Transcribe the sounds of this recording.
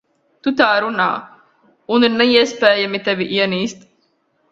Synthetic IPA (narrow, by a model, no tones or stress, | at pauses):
t̪ut̪aːɾuna̰ː | unɐnːɐjespæːjɐmit̪ɐʋiʔijɐniːst̪